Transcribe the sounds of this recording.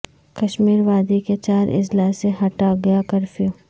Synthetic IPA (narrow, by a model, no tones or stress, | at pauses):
kɐʃmiːɾʋaːd̪iket͡ʃaːɾʔɪ̰d͡ʒlaːseɦɐʈaɡɐjakɐɾfiõ